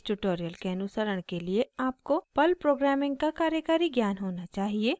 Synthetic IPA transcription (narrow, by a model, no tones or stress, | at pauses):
ʈuʈoːɾijəlkeɐnʊsəɾəɽ̃kelieaːp̚kopɐlpɾoːɡɾɛːmɪ̃ŋɡ̚kakaːɾjəkaːɾiɡjaːnɦoːnat͡ʃaːɦieː